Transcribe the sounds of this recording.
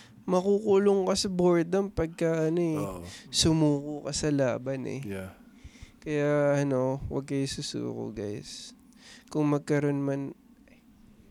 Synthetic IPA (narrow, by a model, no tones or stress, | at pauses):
mɐkuːkuloŋkɐsɐboɹd̪ɐmpɐɡ̚kɐʔɐno̞ɛsʊmuːkʊkɐsɐlaːbɐnʔɛ̰ | kɐjaɐno̞wɐ̰ɡ̚kɐjʊsusṵːko̰ɡa̰js | kʊŋmɐɡ̚kɐɾo̞nmɐn